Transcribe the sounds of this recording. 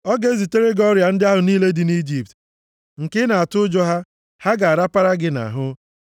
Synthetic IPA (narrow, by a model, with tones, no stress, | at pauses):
ɔ˦ɡe˦zi˨te˦ɾe˦ɡɔ˦ɾja˨n̩˦dɪ˦a˦ɦʊ˨niː˦le˦dɪ˨ni˦d͡ʒi˨p̚t | ŋ̩˨kɪ˦na˨a˨tʊ˦ʊ˦d͡ʒɔ˦ɦa˦ | ha˦ɡa˨a˨ɾa˦pa˦ɾa˦ɡɪ˦na̰˨ɦʊ˦